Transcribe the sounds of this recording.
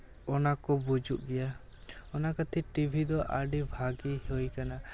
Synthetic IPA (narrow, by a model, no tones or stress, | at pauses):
ɔnakɔbud͡ʒuʔɡɛja | ɔnakat̪ʰiʈibʱid̪ɔʔaɖibʱaɡihojkana